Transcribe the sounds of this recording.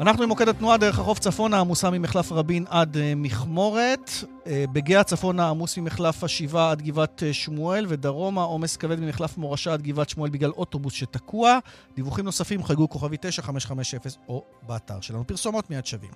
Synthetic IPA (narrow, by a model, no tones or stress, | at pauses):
anaχnuimo̞ke̞dat̪nuadeeχhaχo̞ft͡safo̞naːmusamimeχlafʁabinadmiχmo̞ʁe̞t | beɡeat͡safo̞naːmusmimeχlafhaʃivaad̪ɡivat̪ʃmuelve̞daʁo̞mao̞me̞skave̞dmimeχlafmo̞ʁaʃaːd̪̚ɡivatʃmue̞lbiɡlalo̞to̞busʃetakuad̥̪ivuχimno̞safimχajɡuko̞χavit̪e̞ʃaχame̞ʃχame̞ʃefeso̞ | beata̰ʁʃe̞lanupiʁso̞mo̞tmiadʃavḭm